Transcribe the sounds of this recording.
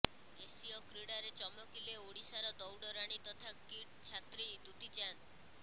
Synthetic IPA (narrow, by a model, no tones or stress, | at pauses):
esiɔkɾiɽaɾet͡ʃɔmɔkileoɽisaɾɔd̪ɔwɖɔɾaɽ̃it̪ɔt̪ʰakiʈt͡ʃʰat̪ɾijd̪ut̪it͡ʃan